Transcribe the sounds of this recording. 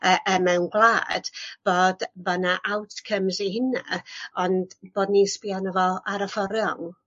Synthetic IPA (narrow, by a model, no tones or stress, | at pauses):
əʔəmɛwnɡlˠaːd̥b̥oːdbanaʔawtʰkʰəmzihɪna̰ɔnd̥b̥oːdnispianɔvɔaɾəfɔɾjɔŋ